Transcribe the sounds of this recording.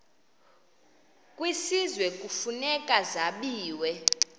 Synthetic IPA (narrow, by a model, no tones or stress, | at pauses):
kʼwisizwɛkʼufunɛkʼazaɓiːwɛ